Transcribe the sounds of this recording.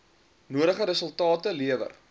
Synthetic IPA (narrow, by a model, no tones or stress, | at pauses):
nuəɾəχəɾəsəlˠtɑːtəliəvə̰r